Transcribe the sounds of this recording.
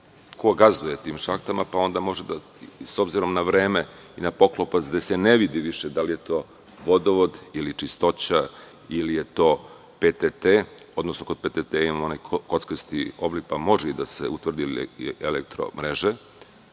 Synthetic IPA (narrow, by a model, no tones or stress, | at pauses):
kʰo̞ɡazd̪uje̞t̪iːmʃakt̪amapao̞nd̪amo̞ʒed̪a | so̞bziɾo̞mnaʋɾeːme | inapo̞klopat̪sd̪eseneʋid̪iʋiʃed̪alije̞t̪o̞ː | ʋo̞d̪oʋod̪ilit͡ʂist̪o̞t͡ɕa | ilijet̪oː | pet̪et̪e | o̞d̪nosnoko̞d̪̚pet̪et̪eimamonajko̞t̪skəst̪io̞blik̚pamo̞ʒeid̪asḛut̪ʋr̩d̪ielekt̪ɾo̰mɾeʒe